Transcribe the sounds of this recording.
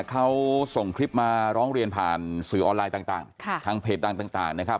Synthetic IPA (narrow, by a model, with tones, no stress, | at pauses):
kʰa˦˥wso˨˩ŋkʰɾi˦˥p̚maː˧ɾɔː˦˥ŋɾi˧ənpʰa̰ː˨˩nsɯː˩˦ʔɔː˧nlaː˧jt̪aː˨˩t̪aː˨˩ŋkʰa˥˩t̪ʰaː˧˥ŋpʰeː˨˩t̪̚da˧ŋt̪aː˨˩ŋt̪aː˨˩ŋna˦˥kʰa˦˥p̚